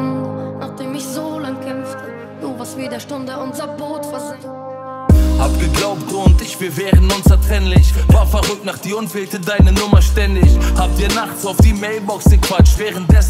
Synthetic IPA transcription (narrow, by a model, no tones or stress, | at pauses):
naχd̥eːmɪçzoːlaŋkʰɛmft | doːvaːsviːdɛʃtʊndəʊnzɐboːtfazɪ | hapɡəɡlˠaʊp̚tʊntɪçvɪveːʁn̩ʊnsatʁɛnlɪçvaːfaʁʏk̚t̚naχd̥iːʊnfɛltədaɪnənʊmɐʃtɛndɪçhap̚diːnaχt͡soʊfdiːmeɪlˠbɔksəkvat͡ʃtveːʁənt̚dɛs